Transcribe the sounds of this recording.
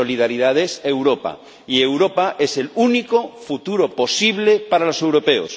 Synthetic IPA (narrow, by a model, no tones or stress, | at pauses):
oliðaɾiðaðese̞wɾopa̰ | ie̞wɾo̞paʔe̞se̞lunikofut̪uɾopo̞siβ̞le̞paɾalo̞se̞wɾo̞pe̞o̰s